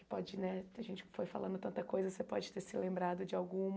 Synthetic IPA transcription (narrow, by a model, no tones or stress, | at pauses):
kɪpɔd͡ʒɪnɛt̪ẽʒẽnt͡ʃɪ̥kɪ̥fojfa̰lɐ̃nd̪ʊt̪ɐ̃nt̪ɐkojzɐsepɔd͡ʒɪt̪eɾsɪlẽmbɾad̪ʊd͡ʒɪawɡũm